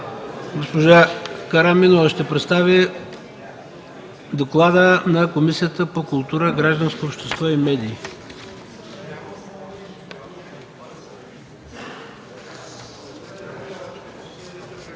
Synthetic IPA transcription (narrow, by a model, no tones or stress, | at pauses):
ɡospoʒakɐɾaminovəʃt̪ɛpɾɛt̪st̪avʲi | d̪oklˠad̪ənɐkomisijət̪əpokʊlˠt̪uɾəɡɾaʒd̪ənskoopʃt̪ɛst̪vɔimɛd̪iː